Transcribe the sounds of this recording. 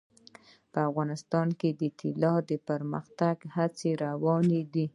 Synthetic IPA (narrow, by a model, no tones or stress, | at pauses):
pəafɣɑnɪst̪ɑnked̪ət̪ʰilɑd̪əpəɾməxt̪aɡhat͡seɾawɑned̪i